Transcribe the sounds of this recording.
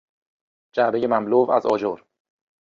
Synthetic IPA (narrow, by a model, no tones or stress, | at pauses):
d͡ʒæbejemæmloːvæzɒːd͡ʒoːɾ